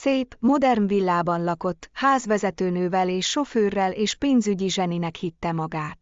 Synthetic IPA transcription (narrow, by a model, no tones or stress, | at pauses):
seːpmo̞d̪ɛrnvilːaːbɒnlɒko̞t̪ːhaːzʋɛzɛt̪øːnøːvɛleːʃːo̞føːrːɛleːʃpeːnzyɟiʒɛninɛkhit̪ːɛmɒɡaːt̪